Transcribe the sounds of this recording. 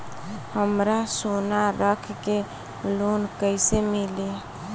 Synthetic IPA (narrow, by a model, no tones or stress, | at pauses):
həmɾasonaɾəkʰke | lonkəɪsemili